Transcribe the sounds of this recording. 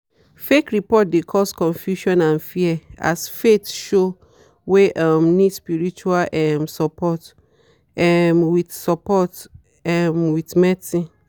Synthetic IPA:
fekɹipɔt̚dekʰɔskɔ̃nfjuʃɔ̃nãnfiɛa̰sfetʃo | weʔɔmnĩdspiɹit͡ʃualʔɛmsɔpʰɔt | ɛmwitsɔpɔt | ɛmwitmɛtĩ

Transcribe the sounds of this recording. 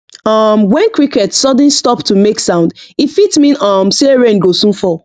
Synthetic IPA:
ʌmwɛ̃nkɹikɛtsɔd̃n̩stɔptumeksãʊ̃ndifitmĩʌmseɹẽnɡosũnfɔ

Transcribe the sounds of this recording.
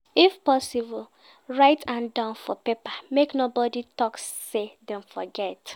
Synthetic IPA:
ifpɔsibl | ɹaɪtʰãndãʊ̃nfɔpepameknobɔditɔksːedɛ̃mfɔɡɛt

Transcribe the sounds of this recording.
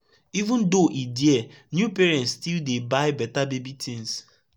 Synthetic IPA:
ivũndoʔidjɛ | njupeɾɛ̃ntstildebaɪbɛtabebitʰĩns

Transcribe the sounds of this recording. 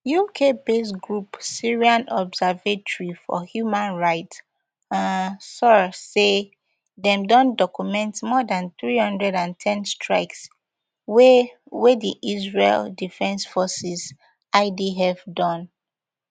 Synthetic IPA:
jukʰebes̬ɡɹupsiɹiãnɔbsɛvetɔɹifɔ̰hjumãnɹaɪt | ãnsɔse | dɛ̃mdɔ̃ndɔkjumɛ̃ntmɔdãnθɹihʌ̃ndɹɛdãntʰɛ̃nstʰɹa̰ɪks | we | wediʔizɹḛldifɛ̃nsfɔsis | ʔaɪdiɦɛvdɔ̃n

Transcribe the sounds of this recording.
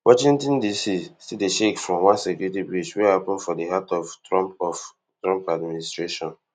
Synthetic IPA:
wʔɔt͡ʃĩŋtɔ̃ndisistideʃekfɹɔ̃mwãnsɛkuɾitibɹid͡ʒwɛhapɔ̃nfɔdeɦatɔftɔ̃mpɔf | tɹɔ̃mpadministɹeʃɔ̃n

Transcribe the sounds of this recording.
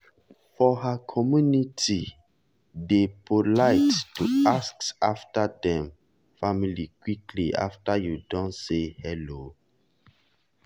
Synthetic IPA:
fɔɦakʰɔmjunitʰi | depʰolaɪttuasksaftadɛ̃m | familikwikliʔa̰ftajudɔ̃nsehɛlo

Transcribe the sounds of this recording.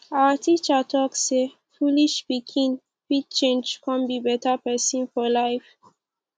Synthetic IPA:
awətʰit͡ʃətʰɔksse | fuliʃpikʰĩŋ | fid̚t͡ʃẽnd͡ʒkʰãnbibɛtapɛsĩnfɔlaɪf

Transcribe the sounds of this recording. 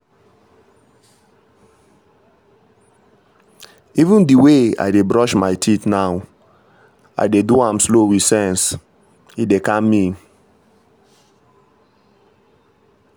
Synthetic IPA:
ivũndiwea̰ɪdebɹɔʃmaɪtʰitnaʊ | a̰jdeduãmslowisɛ̃ns | idekãnmĩn

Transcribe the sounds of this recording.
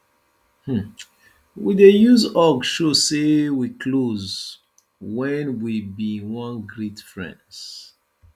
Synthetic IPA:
h̩ | widejuzɔɡʃosewikʰloz | wɛ̃nwibiwʌ̃nɡɹetfɹɛ̰̃nds

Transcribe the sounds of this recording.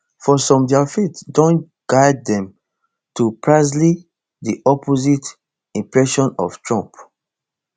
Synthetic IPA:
fɔsɔ̃mdɛafetdõn | ɡ̥aɪd̚ːɛ̃m | tupʰɹazli | diʔɔpʰozit | ĩmpɹɛʃɔ̃nɔ̰ftɹɔ̃mp

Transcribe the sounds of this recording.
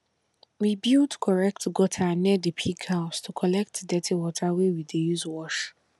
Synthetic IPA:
wibidkʰɔɹɛk̚tɡɔtʰanɛdipʰiɡhaʊstʰukʰɔlɛk̚tdɛtʰewɔtʰawɛwidejuzwɔʃ

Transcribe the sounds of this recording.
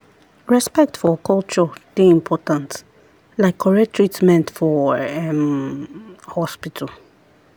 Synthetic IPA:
ɹɛspɛk̚tfɔkʰɔlt͡ʃɔd̥eĩmpʰɔtãnt | laɪkʰːɔɹɛtʰːɹitmɛ̃ntfɔɛm | hɔspitʰəl

